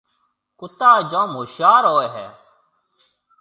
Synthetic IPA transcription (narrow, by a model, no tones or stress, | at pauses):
kʊt̪aːd͡ʒõːmɦʊʃjaːɾoːeːɦɛː